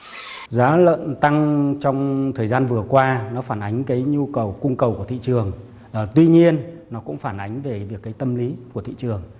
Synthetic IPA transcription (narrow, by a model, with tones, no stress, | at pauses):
zaː˨˦lə̰˧˨nt̪a˧ŋt͡ɕɔ˧wŋ͡mt̪ʰəː˨˩jzaː˧nvɨ˨˩əkwaː˧nɔ˨˦faː˧˩nʔa˨˦jŋ̟kaː˨˦jɲu˧kə˨˩wkʊ˧ŋ͡mkə˨˩wku˧˩t̪ḭ˧˨t͡ɕɨ˨˩əŋ | ə˨˩t̪wi˧ɲi˧ənːɔ˨˦kʊ̰˧˥ŋ͡mfaː˧˩nʔa˨˦jŋ̟ve˨˩vi˨˩əkːaː˨˦jt̪ə˧mli˨˦ku˧˩ət̪ḭ˧˨t͡ɕɨ˨˩əŋ